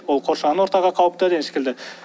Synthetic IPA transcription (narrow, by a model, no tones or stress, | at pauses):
wo̞lˠqʰo̞ɾʃɑnəwot̪ɑʁɑqʰɑwəp̚t̪ɑd̪ensɪ̥kʲʰeld̪ɪ